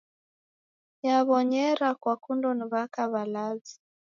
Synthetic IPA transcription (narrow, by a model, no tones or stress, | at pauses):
jaβɔɲɛɾakwakundɔniβakaβalazi